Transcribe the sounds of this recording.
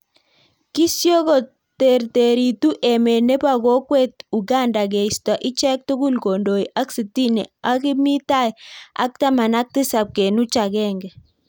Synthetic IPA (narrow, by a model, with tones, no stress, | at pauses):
ki˦sjo˦kɔ˨ | te˨ɾte˨ɾi˨tu˦ʔɛ˨me˨nɛ˦pa˦ɡɔ˦kwɛ˦tu˨ɡa˦˨nda˨ɡe˨ista˨ʔi˦t͡ʃɛ˦k̚tu˦ɡu˦lko˨ndo˨i˨ʔa˦ksi˨ti˦nɛ̰˨a˦kɪ˦mi˦ta˦ja̰˦k̚ta˦ma˨na˦k̚tɪ˦sa˨p̚ke˨nu˦t͡ʃa˨ɡɛ˦ŋɡɛ˨